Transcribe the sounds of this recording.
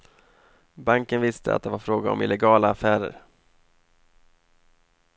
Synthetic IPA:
baŋkənvɪst̪ʰəa̰t̪̚d̪ɛvaɾfɾoːɡaɔ̰mɪ̰lɛɡɑːlaːfæːɾə̰ɾ

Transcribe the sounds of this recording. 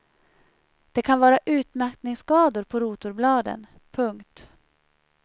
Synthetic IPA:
d̪̥ɛkʰanvɑːɾaʔʉ̟ːt̪mæɾknɪŋskɑːd̪ʊɾpʰɔɾuːt̪ʊɾblɑːd̪ə̰n | pʰɵŋkt̪

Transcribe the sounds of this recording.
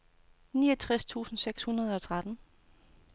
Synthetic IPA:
niːʌt͡sʰʁɛst͡sʰṵːsn̩seɡ̥shunɐð̞ˠɒ̽t͡sʰʁad̥n̩

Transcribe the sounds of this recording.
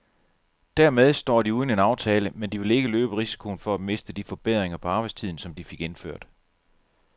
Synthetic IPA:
d̥æɐmeð̞ˠsd̥ɒ̰ːd̥iuːð̞ˠne̝nɑ̈ʊt͡sʰɛːləmend̥iʋe̝le̝ɡ̥əløːb̥əʁisi̥kʰo̝nfɒ̽æd̥me̝sd̥əd̥ifɒ̽b̥eð̞ˠʁeŋɐpʰɒɑ̈ːb̥ɑ̈ɪst͡sʰið̞̰ˠn̩sɒ̽md̥ife̝ɡ̥enføɐ̰d̥

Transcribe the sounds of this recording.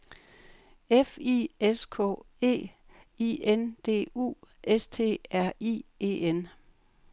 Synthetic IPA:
efḭeskʰɔ̰ː | e̝̰ː | iend̥e̝̰ːṵːest͡sʰe̝̰ːæɐ̰ḭːe̝̰ːen

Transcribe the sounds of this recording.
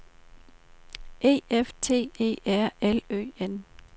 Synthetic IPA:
ʔe̝̰ːeft͡sʰe̝̰ːḛːæɐ̰elø̰ːen

